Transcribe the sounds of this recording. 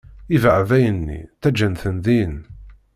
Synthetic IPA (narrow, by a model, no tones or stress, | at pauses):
ivəʕvæjənːḭθæd͡ʒənθənðin